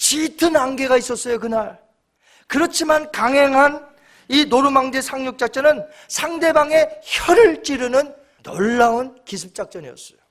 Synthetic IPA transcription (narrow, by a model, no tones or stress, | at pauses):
t͡ɕitʰɯnaŋɡe̞ɡais͈ʌs͈ʌjokɯnaɭ | kɯɾʌt͡ɕʰimankaŋɦe̞ŋɦan | inoɾumaŋd͡ʑe̞sʰaŋɲuk̚t͡ɕ͈ak̚t͡ɕ͈ʌnɯn | sʰaŋde̞baŋe̞çjʌɾɯɭt͡ɕ͈iɾɯnɯn | tʌɭːaunkisʰɯp̚t͡ɕ͈ak̚t͡ɕ͈ʌnijʌ̰s͈ʌ̥̰jo